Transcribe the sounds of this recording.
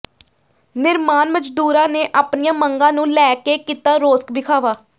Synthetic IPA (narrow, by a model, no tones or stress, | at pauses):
nɪɾmaːnməd͡ʒd̪uːɾãːneːʔaːpnijãːməŋɡãːnũːlɛːkeːkiːt̪aːɾoːskbɪkʰaːʋaː